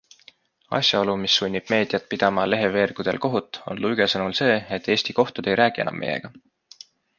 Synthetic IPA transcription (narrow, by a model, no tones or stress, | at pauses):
ɑ̰sjɑo̞lumisːunʲːib̥me̞ːd̪̥ijɑt̪̚pid̪̥ɑmɑle̞ɦe̞ve̞ːrɡ̥ud̪̥elko̞ɦut̪ːˑo̞̰nluyɡ̥esɤnulse̞ːet̪ːˑe̞ːsʲt̪iko̞ht̪ud̪e̞jɾæːɡ̥ie̞̰nɑ̰mːḛjḛɡ̥ɑ